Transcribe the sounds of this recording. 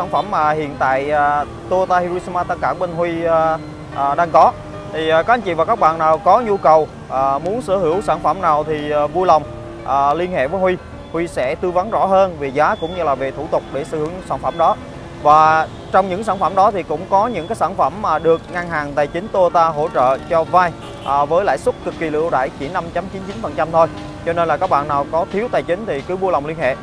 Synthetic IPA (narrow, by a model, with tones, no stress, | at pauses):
aː˧˩nfə˧˩mːaː˨˩hḭ˧˨ənt̪a̰ː˧˨jː | t̪o˧t̪aː˧hi˧ɾu˧si˧maː˧t̪a˧ŋkaː˧˩ɓe˧nɦwi˧ | ʔːɗaː˧ŋkɔ˨˦ | t̪ʰi˨˩ʔka˨˦ʔa˨˦ŋt͡ɕḭ˧˨vaː˨˩kaː˦˥k̚ɓa̰ː˧˨nːaː˨˩wkɔ˨˦ɲu˧kə˨˩w | ʔəː˨˩mu˨˦ənsɨ̰˧˩hɨ˧˩əwsaː˧˩nfə˧˩mnaː˨˩wt̪ʰi˨˩˨vu˧jlə˨˩wŋ͡m | ʔəː˨˩li˧ənhḛ˧˨vəː˨˦jhwi˧ | hwi˧sɛ̰˧˥t̪ɨ˧va˨˦nzɔ̰˧˥ɦəː˧nvi˨˩zaː˨˦kʊ̰˧˥ŋ͡mɲɨ˧laː˨˩ve˨˩t̪ʰu˧˩t̪ʊ˨˩k͡p̚ɗe˧˩sɨ̰˧˩hɨ˧˩əŋ˩ŋsaː˧˩nfə˧˩mɗɔ˨˦ | vaː˨˩ | t͡ɕɔ˧wŋ͡mɲɨ̰˧˥ŋsaː˧˩nfə˧˩mɗɔ˨˦t̪ʰi˨˩kʊ̰˧˥ŋ͡mkɔ˨˦ɲɨ̰˧˥kaː˨˦jsaː˧˩nfə˧˩mː˨˩ɗɨ˨˩ək̚ŋa˧ŋɦaː˨˩ŋt̪aː˨˩jt͡ɕï˨˦ŋ̟t̪o˧t̪aː˧ɦo̰˧˥t͡ɕə̰ː˧˨t͡ɕɔ˧vaː˧j | ʔːvəː˨˦jla̰ː˧˨jsu˦˥t̚kɨ˨˩kːi˨˩lɨ̰˧˨əwɗa̰ː˧˩˨jt͡ɕi˧˩ənːa˧mt͡ɕa˨˦mt͡ɕi˨˦nt͡ɕi˨˦nfə˨˩nt͡ɕa˧mt̪ʰo˧j | t͡ɕɔ˧ne˧nlaː˨˩kaː˦˥k̚ɓa̰ː˧˨nːaː˨˩wkɔ˨˦t̪ʰi˨˦wt̪aː˨˩jt͡ɕï˨˦ŋ̟t̪ʰi˨˩kɨ˨˦vu˧jla˨˩wŋ͡mli˧ənhḛ˧˨